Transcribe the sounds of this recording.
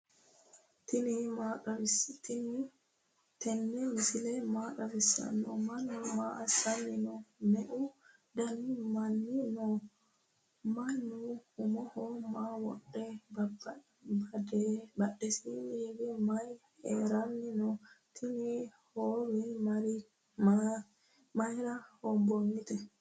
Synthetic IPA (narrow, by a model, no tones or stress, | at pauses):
t̪naɐt̪n | t̪ɛnːɛmɪsɪlɛmaːkɐbɪsːɐ̰nːɔmɐnːumaːʔɐsɐnːɪnɔnɛʔu | d̪ɐnimɐnːinɔ | mɐjnuhʊmɔhɔmaːwɔ̰ɗːɛbɐb | bdɛbɐɗːɛsiniːbɛmɐjheːɾɐnːɪnɔt̪ʰɪnihoːɾimɐɾ | ma | mɐjɾɐhɔbɔŋːɪt̪ɛ